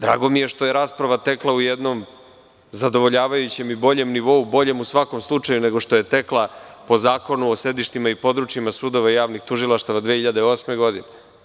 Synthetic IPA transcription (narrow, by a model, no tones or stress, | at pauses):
d̪ɾa̰ːɡo̞mije̞ʃt̪o̞jeɾaːspɾaʋat̪e̞klˠaujed̪no̞m | zad̪o̞ʋo̞ʎaːʋajut͡ɕe̞mibo̞ʎe̞mniʋo̞ubo̞ʎe̞musʋako̞mslˠut͡ʂajune̞ɡo̞ʂt̪o̞je̞t̪e̞klˠapo̞zaːko̞nuose̞d̪iʃt̪imaipo̞d̪ɾut͡ʃjimasud̪o̞ʋaijaːʋnixt̪uʒilˠaʃt̪aʋad̪ʋeːhiʎad̪eo̞ːsmeɡo̞d̪ine